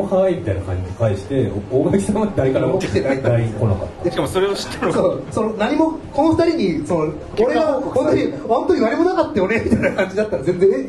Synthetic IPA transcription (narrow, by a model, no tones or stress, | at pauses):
ohaimʲit̪aina̰kã̰ɲ̟d͡ʑiikaiɕi̥t̪e̞omasi̥t̪amad̪ed̪aɾekanat̪ead̪aiko̞na̰ka̰t̪ːaɕi̥kamoso̞ɾe̞oɕi̥t̪ːenosoːso̞nonaɲ̟imo̞ko̞noɸɯ̟̥t̪aɾʲiɲ̟isono | oɾe̞aõnt̪oɲiõnt̪oɲ̟iβaɾʲimo̞nakat̪ːajonemʲit̪ainakãɲ̟d͡ʑid̪at̪ːaɾazẽ̞nd͡zẽ̞